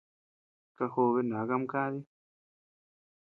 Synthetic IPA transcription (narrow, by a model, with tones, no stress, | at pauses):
ka˧ho˧βe˦˧na˨˦ka˦˧m˦ka˦ði˦